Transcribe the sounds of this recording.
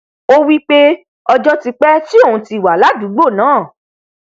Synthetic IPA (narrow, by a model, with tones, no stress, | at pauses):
o˦wi˦k͡pe˦ | ɔ˧d͡ʒɔ˦ti˧k͡pɛ˦ti˦õ˦˨ũ˨˧ti˧˨wa˨la˨˦du˨˦ɡ͡bo˦˨nãː˨˦˨